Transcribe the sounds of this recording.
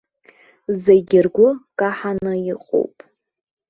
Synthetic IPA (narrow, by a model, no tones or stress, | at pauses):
zeɡʲɪrɡʷʊkʼaħanɨiqʼo̰wpʼ